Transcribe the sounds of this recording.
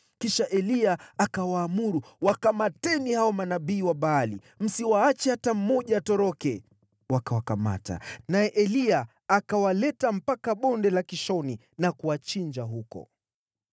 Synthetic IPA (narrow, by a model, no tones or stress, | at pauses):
kiʃaʔɛliaakawaːmuɾuwakamatɛnihaɔmanaɓiːwaɓaːli | m̩siwaat͡ʃɛhatam̩mɔʄaːtɔɾɔkɛ | wakawakama̰ta̰najɛʔɛliaː | kawalɛtam̩pakaɓɔndɛlakiʃɔni | nakuwat͡ʃiɲd͡ʒaɦukɔ̰